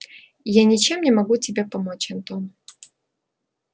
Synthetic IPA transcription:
janʲɪt͡ɕe̞mnʲɪmɐɡutʲɪbʲe̞pɐmot͡ɕɐnt̪om

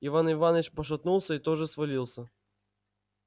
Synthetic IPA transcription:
ɪvanɪvanvʲt͡ɕpəʂ̬ɐt̪nulˠsʲəit̪oʐɨsvɐlʲilˠsʲə

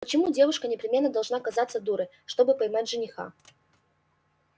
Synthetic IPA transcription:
pət͡ɕɪmudʲe̞vʊʂkənʲɪpɾʲɪmʲe̞nːəd̪ɐlˠʐnakɐzat̪səd̪uɾɨ | ʂt̪o̞bɨpɐjmatʲʐɨnʲɪxa̰

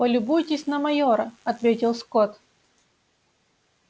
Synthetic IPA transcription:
pəlʲʊbujtʲɪsʲnɐmɐjoɾɐɐt̪vʲetʲɪlˠskot̪

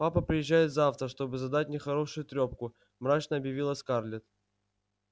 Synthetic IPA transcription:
papəpɾʲɪjɪʑːæjɪt̪zaft̪ɾəʂt̪o̞bɨzɐd̪at̚ʲnʲɪxɐɾo̞ʂʊjʊt̪ɾʲo̞p̚kʊ | mɾat͡ɕnəɐbjɪvʲilˠəskarlʲɪt̪

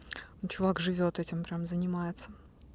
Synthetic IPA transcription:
nt͡ɕʊvakʐɨvʲo̞t̪ɛtʲɪmpɾʲamzənʲɪmajɪt̪sə

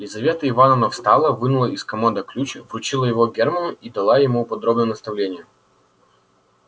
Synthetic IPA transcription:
lʲɪzɐvʲe̞t̪əɪvanənəfst̪alˠəvɨnʊlˠəiskɐmand̪əklʲut͡ɕvrʊt͡ɕilˠəjɪvoɡʲermənʊid̪ɐlˠajɪmupɐd̪ɾobnəjnəst̪ɐvlʲenʲɪjə

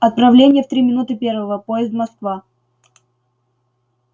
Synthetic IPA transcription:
ɐt̪̚pɾɐvlʲenʲɪjəft̪ɾʲimʲɪnut̪ɨpʲe̞rvəvəpoɪzd̪mɐskva

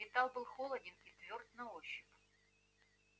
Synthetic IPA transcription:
vʲɪt̪alˠbɨlˠxolˠədʲɪnit̪vʲord̪̚nɐoɕːɪp

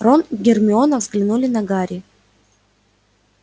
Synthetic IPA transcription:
ronɡʲɪrmʲɪo̞nəvzɡlʲɪnulʲɪnɐɡaɾʲɪ

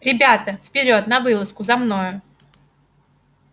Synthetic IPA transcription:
ɾʲɪbʲat̪əfpʲɪɾʲo̞t̪nɐvɨlˠəskʊzɐmno̞jʊ

